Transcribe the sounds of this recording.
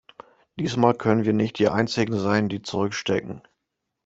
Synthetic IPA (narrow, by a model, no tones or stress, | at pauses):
d̥iːsmaːlkʰœnənviːɐnɪçt̚d̥iːʔa̰ɪnt͡sɪɡŋ̩zaɪndiːt͡suʁʏkʃtɛkŋ̩